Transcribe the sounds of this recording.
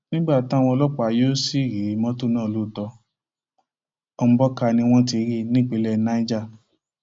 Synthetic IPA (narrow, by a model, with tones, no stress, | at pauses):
nĩ˦ɡ͡ba˦˨ta˦˨w̃ɔ̃˧lɔ˦k͡pa˧jo˦si˦˨ɾi˨˦mɔ̃˦tu˦˨nãː˦˨lu˦˨tɔ˧ | ɔ˧mũ˦bɔ˦ka˧nĩ˧w̃ɔ̃˦t̬i˧˦ɾi˦˨nĩ˦k͡pe˨˧˦lɛ˧nã˨˦i˦d͡ʒa˦˨